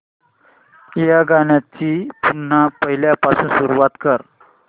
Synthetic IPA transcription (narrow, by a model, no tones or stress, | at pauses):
jaɡaɳjat͡ɕiːpun̤ːapəɦiljapasuːnsuɾuʋat̪kəɾ